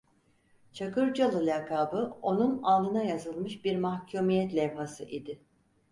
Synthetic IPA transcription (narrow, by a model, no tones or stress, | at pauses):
t͡ʃʰakɯɾd͡ʒalˠɯlʲakʰaːbɯo̞nunalˠd̪ɯnajazɯlˠmɯʃbiɾmahcʰumijɛt̪lʲɛvhasɯʔid̪ɪ